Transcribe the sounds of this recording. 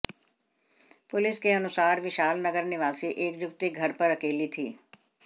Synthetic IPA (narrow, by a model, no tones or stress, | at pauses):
pʊlɪskeɐnʊsaːɾʋɪʃaːlnəɡəɾnɪʋaːsiʔeːkjʊkt̪iɡʱɐɾpɐɾɐkeːlit̪ʰḭː